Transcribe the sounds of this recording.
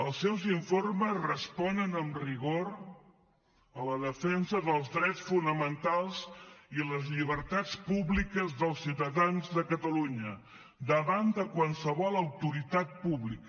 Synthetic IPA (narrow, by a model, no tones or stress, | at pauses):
əlˠsːɛwziɱforməzrəspɔnənəmriɣoɾ | ələðəfɛnzəðəlˠzðɾɛt͡sfunəmənt̪alˠziləzʎiβ̞əɾt̪at͡spuβlikəzðəlˠsiwt̪əðanzðəkət̪əluɲə | d̪əβand̪əkwansəβɔlˠəwt̪uɾit̪at̪̚puβlikə